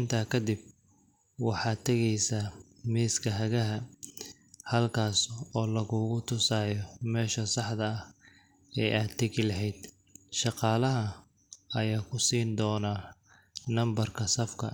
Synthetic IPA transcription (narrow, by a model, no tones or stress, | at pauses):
ɪnt̪ʰaːkʰɐd̪ɪb̚ | wɑħɑːt̪ʰɐɣɛjsɐ | miːskʰɐɦɐɣɐɦɐ | hɐlkʰaːsɔːlɐɣʊːɣʊt̪ʰʊsaːjɔmɛːʃɐsɑħd̪ɐɐh | ɛːʔaːd̪t̪ʰːɐɣɪlɐɦɛjd̪̥ | ʃɑqɑːlɐɦɐ | ɐjaːkʰʊsiːnd̪ɔːna | nɐmbɐrkʰɐsɐfkʰɐ̰